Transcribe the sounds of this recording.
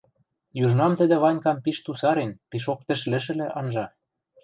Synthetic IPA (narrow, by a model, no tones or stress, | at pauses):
juʒnɑmt̪ə̆d̪ĕβɑnʲkɑmpiʃt̪usɑɾenpiʃok̚t̪ɘ̆ʃlɘ̆ʃ̬ɘ̆lĕʔɑnʒɑ